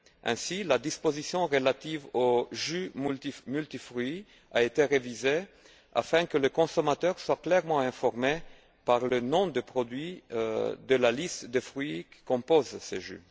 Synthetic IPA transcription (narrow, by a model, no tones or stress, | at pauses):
ɛ̰̃silad̪ispozisjɔ̃ʁəlat̪ivoʒymlimylt̪ifʁɥi | aet̪eʁevize | a̰fɛ̃kələkɔ̃somat̪œʁswaklɛʁmɑ̃ɛ̃fɔʁme | paʁlənɔ̃d̪əpχɔd̪ɥi | d̪əlalist̪d̪əfʁɥikə̥kɔ̃pozsḛʒy̰